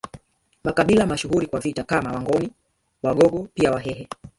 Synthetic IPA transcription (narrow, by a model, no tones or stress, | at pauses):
makaɓilamaʃuhuɾikwavitakamawaŋɡɔni | waɡɔɡɔpiawaɦɛɦɛ